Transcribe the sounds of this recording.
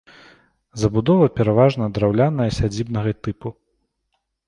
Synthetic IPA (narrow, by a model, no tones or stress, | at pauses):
zɐbud̪ɔvɐpʲɛɾavaʐnɐd̪ɾawlʲanɐjɐsʲad͡zʲibnɐɣɐt̪ɨpu